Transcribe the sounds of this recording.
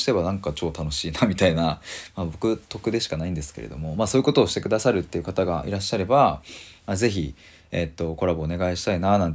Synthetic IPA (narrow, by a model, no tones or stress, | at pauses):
i̥t̪e̞βanãŋkat͡ɕo̞ːt̪ano̞ɕiːnamʲit̪ainamabo̞kɯ̟t̪o̞kɯ̟d̪e̞ɕi̥kanaĩnd̪e̞sɨ̥ke̞̰ɾḛd̪o̞̰mo̞maːso̞ːji̟ko̞t̪o̞ːɕi̥t̪e̞kɯ̟d̪asaɾɯ̟t̪ːe̞jɯ̟kat̪aɡaʔḭɾaɕːaɾe̞bamaze̞çi | et̪ːo̞ko̞ɾabo̞ːne̞ɡaiɕi̥t̪ainanãnt̪